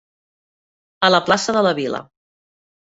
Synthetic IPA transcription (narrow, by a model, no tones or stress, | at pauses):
ələplasəðələβilə̰